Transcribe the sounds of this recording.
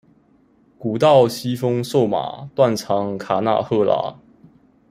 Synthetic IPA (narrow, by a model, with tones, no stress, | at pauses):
ku˨˩t̪ɑ˥˨ʊɕi˥fɤ˥ŋʂo˥˨˩ʊma̰˨˩t̪wa˥˨nʈ͡ʂʰɑ˨˧˦ŋkʰa˨˩na̰˥˧xɤ˥˧˩la̰˧˥˦